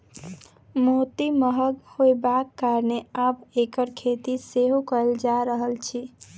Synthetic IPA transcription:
mot̪iməɦəɡhojbakːaɾneabekəɾkʰet̪iseɦokəld͡ʒaɾəɦəlt͡ʃʰi

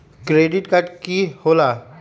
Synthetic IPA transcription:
kɾeːɖɪʈkaʈkihoːlaː

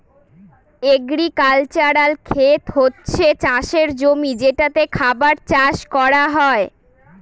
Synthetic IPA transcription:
eɡɾikalt͡ɕaɾalkʰet̪ɦotːɕʰet͡ɕaʃeɾd͡ʑomid͡ʑeʈat̪ekʰabaɾt͡ɕaʃkɔɾaɦɔe

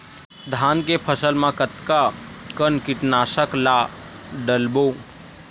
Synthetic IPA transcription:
d̪ʱankepʰəsəlmãkət̪ka | kənkɪʈnaʃəkla | ɖəlbo

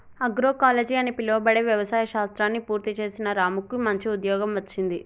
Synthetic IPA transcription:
ɐɡɾo̞ːkaːleːd͡ʒiɐnipiloːbɐɽeʋjɐʋɐsaːjɐʃaːst̪ɾaːnːipuːɾt̪it͡ʃe̞ːsinɐɾaːmukːumɐɲt͡ʃiud̪jɔːɡɐmʋɐt͡ʃːind̪i

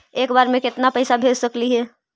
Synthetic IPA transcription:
eːkbaːɾmẽkɪt̪napəɪsabʱeːd͡ʒsəkliɦɛː

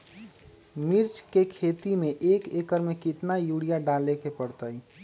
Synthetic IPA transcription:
miɾt͡ʃkekʰet̪imeʔekekəɾmekit̪najuɽijaɖalekepəɽt̪əj

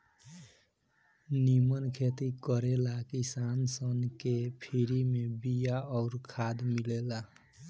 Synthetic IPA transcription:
nimənkʰet̪ikəɾelakisansənkepʰiɾimebijaɔʊɾkʰad̪milela

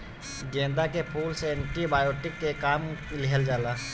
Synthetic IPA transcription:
ɡẽːnd̪akepʰuːlseɛ̃ɳʈibaːjoːʈɪkːekaːmlɪɦəld͡ʒaːlaː

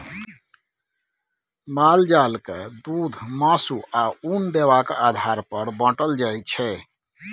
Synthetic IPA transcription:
mald͡ʒalkḛd̪ud̪ʱmasuaund̪ewakad̪ʱaɾpəɾbə̃ʈəld͡ʒajt͡ʃʰɛ

